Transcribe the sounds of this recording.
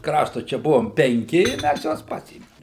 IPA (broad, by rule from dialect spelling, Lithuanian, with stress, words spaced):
ˈkrɑːʃtʊ ˈt͡ʃʲɛ ˈbʊʋoːm pʲɛŋʲˈkʲɪ ɪ ˈmʲæs ˈjuɔs ˈpɑːsʲeːmʲɪm